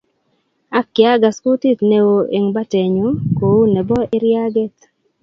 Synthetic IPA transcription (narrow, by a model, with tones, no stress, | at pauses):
a˦kːja˦ɡa˨sku˦t̪i˦t̪ne˨wo˨e˨ŋba˦te˨ɲu˨˦ko˨u˦nɛ˨bɔ˦ɪ˦ɾja˦ɡe˦t̪